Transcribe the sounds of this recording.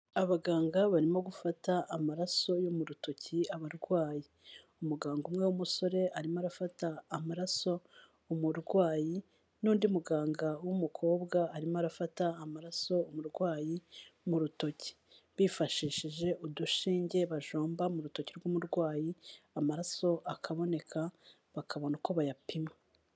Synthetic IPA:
aβaɡaːŋɡaβaɾimo̞ɡufataʔːmaɾaso̞jomuɾuto̞ciaβaɾɡwaːji | umuɡaːŋɡumŋe̞wumuso̞ɾe̞ʔaɾimoaɾafataːmaɾaso̞ | umuɾɡwaːji | nuːndiumuɡaːŋɡawumukʰo̞ːbɡaːɾimoaɾafataːmaɾaso̞umuɾɡwaːjimuɾuto̞ci̥ | βifaʃiʃiʒe̞ʔuduʃiːɲɟe̞βaʒoːmbamuɾuto̞ciɾɡumuɾɡwaːjiamaɾaso̞ʔakʰaβo̞ne̞kʰa | βakʰaβo̞nako̞βajapima

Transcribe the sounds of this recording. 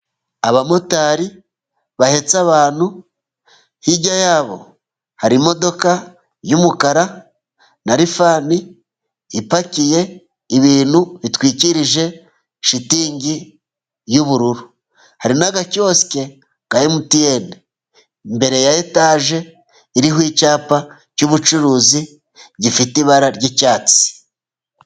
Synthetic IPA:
aβamo̞taɾi | βahe̞t͡saβaːnhu | hiɟajaːβo̞̰ | haɾimo̞do̞ka | jumukaɾa | naɾifaːniː | pacije̞ | iβiːnhuβitwiːciɾiʒe̞ | ʃitiːŋɟi | juβuɾuɾu | haɾinaɡaco̞ːske̞ | ɡ̥ajemutijene | mbe̞ɾe̞jajetaːʒe̞ | iɾiɦwiːcaːpa | cuβut͡ʃuɾuːzi | ɟifitiβaɾaɾɟecaːt͡si̥

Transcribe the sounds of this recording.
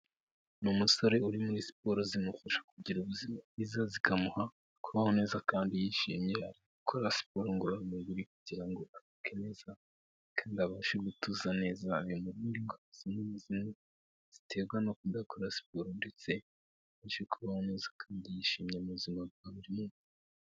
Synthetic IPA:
numuso̞ɾe̞uɾimuɾisi̥poɾozinufuʃḁkuɟiɾuβuzimaizazikamuha | kuβaho̞ne̞ːzakaːndijiʃḭmɲe̞haɾiɡukʰoɾasi̥poɾoŋɡoɾaumuɡuɾikuɟiɾaŋɡo̞ʔadukʰeneza | kʰaːndiaβaːʃeɡutuzane̞ːzaːɾjomuɾuːnɡiŋɡoazinuzime | z̥i̥tʰe̞ːɡwanokudakoɾasi̥poɾonde̞t͡se̞ | βaʃekuβaho̞ne̞ːzḁkʰaːndijiʃimɲemuzimaβɡaβuɾiiːnzi

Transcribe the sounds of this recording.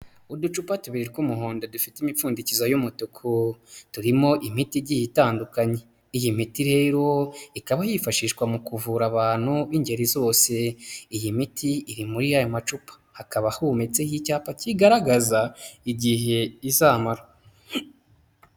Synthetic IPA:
udut͡ʃupatuβiɾiɾkumuɦoːndodufitimifuːndicizajumutukʰotuɾimo̞ʔimitiɾɟijitaːndukaɲe̞ | ijimitiɾe̞ːɾo̞ikaβajifaʃiʃkwamukuvuɾaβaːn̥huβiɲɟe̞ɾizo̞ːse̞ijimitʰiːɾimuɾijajo̞mat͡ʃupḁhakaβahumet͡se̞hicaːpaciɡaɾaɡazaiɟiɦe̞izaːmaɾa

